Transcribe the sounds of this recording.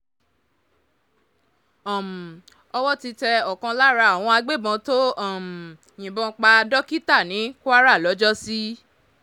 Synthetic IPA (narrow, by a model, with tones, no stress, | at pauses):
ɔ˦˨m˨ | ɔ˧wɔ˦ti˧tɛ˧ɔ˨kã˧la˦ɾa˧˨w̃ɔ̃˧a˧ɡ͡be˦˨bɔ̃˧to˦ɔ˦˨m˨ | j̃ĩ˨bɔ̃˧k͡pa˧dɔ˦ki˦ta˦˨nĩ˨˦ku˦a˦ɾa˦˨lɔ˨˦d͡ʒɔ˦si˦